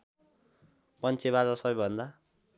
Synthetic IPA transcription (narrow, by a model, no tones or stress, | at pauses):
pʌnt͡sʰeβad͡zasʌbʌjbʱʌnd̪a